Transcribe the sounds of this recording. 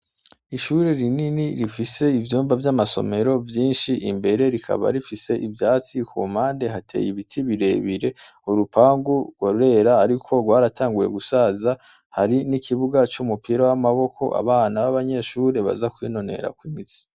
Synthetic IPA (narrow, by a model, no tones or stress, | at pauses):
iʃuɾe̞ɾininiɾifise̞ivjuːmbavjamaso̞̰me̞ɾo̞vjiːnʃiʔimbe̞ɾe̞ɾikʰa̰βa̰ɾifise̞ʔivjaːt͡sikʰuːm̥aːnde̞ɦatʰe̞̰jiβitʰiβiɾe̞βiɾe̞ | uɾupaːŋɡuɡ̥waɾuɾe̞ɾaːɾikʰo̞ɡwaːɾatʰaːŋɡuje̞̰ɡusaːza | haɾinikʰiβuɡat͡ʃumupʰiɾawamaβo̞kʰo̞ʔa̰βaːnaβaβaɲe̞ʃuːɾe̞βa̰zakwiːno̞ne̞̰ɾa̰kwimit͡si̥